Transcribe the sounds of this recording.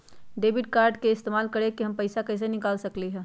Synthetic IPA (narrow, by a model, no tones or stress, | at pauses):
ɖeːbɪʈkaːɾɖkeɪst̪eːmaːlkɐɾekiɦɐmpɐɪsakɛːs̬enɪkaːlsɐkliɦɛ̃ː